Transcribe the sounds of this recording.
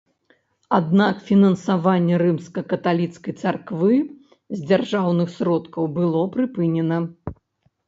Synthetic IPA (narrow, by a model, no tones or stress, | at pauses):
ad̪nakfʲinɐnsavanʲːɛɾɨmskɐkɐt̪alʲit̪skɐjt̪sarkvɨ | zʲd͡zʲarʐawnɨxsɾɔt̪kɐwbɨlˠɔpɾɨpɨnʲɛnɐ